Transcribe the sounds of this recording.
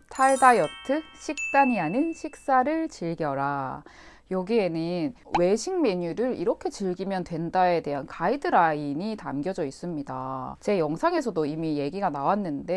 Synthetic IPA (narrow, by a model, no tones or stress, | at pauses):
tʰaɭdajʌtʰɯɕʰik̚t͈aɲianɯnɕʰik̚s͈aɾɯɭt͡ɕiɭɡjʌɾa | jʌɡie̞nɯnwe̞ɕʰiŋme̞ɲuɾɯɾḭɾʌkʰe̞t͡ɕɯɭɡimjʌntwe̞ndae̞de̞ɦankʰaidɯɾaiɲitamɡjʌd͡ʑʌis͈ɯmɲida̰t͡ɕe̞jʌŋsʰaŋe̞sʰʌdoimije̞ɡiɡanawanːɯnde̞